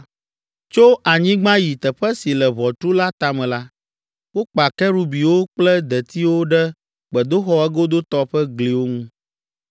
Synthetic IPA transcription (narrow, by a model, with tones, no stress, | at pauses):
t͡ʃo˦ʔa˨ɲĩ˦ɡ͡bã˦ji˨t̪ɛ˨ɸɛ˦si˨lɛ˨βɔ˨t̪u˦la˦t̪a˦mɛ̃˨la˦ | wo˦k͡pa˨kɛ˦ɾu˦bi˨wo˦k͡plɛ˦d̪ɛ˨t̪i˦wo˦ɖɛ˦ | k͡pɛ˨d̪o˦xɔ˦ɛ˦ɡo˦d̪o˦t̪ɔ˦ɸɛ˦ɡli˨wo˦ŋũ˦